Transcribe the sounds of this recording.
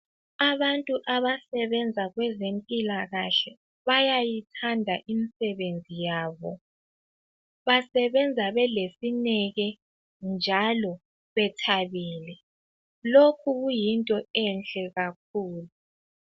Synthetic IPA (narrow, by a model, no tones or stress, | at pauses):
aβantʼuʔaβasɛβɛnd͡zʱaɣwɛzempʼilaɣaɬɛ | βajajitʰandʱaʔimisɛβend͡zʱijaːβɔ | βasɛβɛnd͡zʱaβɛlesinɛɣɛ | nd͡ʒʱalɔ | βɛtʰaβiːlɛ | lokʰuɣujintʼɔɛnt͡ɬʼɛɣak̚ʰuːlu